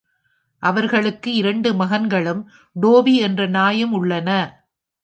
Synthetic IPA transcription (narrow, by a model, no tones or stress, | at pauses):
ʔɐʋɐɾɣɐɭɯkːɯɪɾɐɳɖɯmɐɣɐnɡɐɭɯm | ɖoːʋiɛndrɐnaːjɐmʊɭːɐnɐ